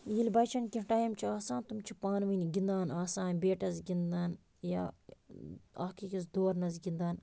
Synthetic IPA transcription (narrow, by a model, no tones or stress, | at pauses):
jilʲbɐt͡ʃʰɐnkʲiʈaːjɐmt͡ʃʰiaːsaːnt̪umt͡ʃʰipaːnminɡʲind̪aːnaːsaːnbeːʈɐzɡʲind̪aːn | ja̰ | a̰kikɐzd̪oːɾnɐzɡʲind̪aːn